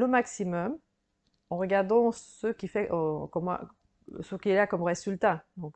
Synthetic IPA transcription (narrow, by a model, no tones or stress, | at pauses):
ləmaksimɔm | ɑ̃ʁəɡaʁd̪ɑ̃səkʲifɛʔɔkɔma̰ | səkʲiɛlakɔmʁezylt̪ad̪ɔ̃k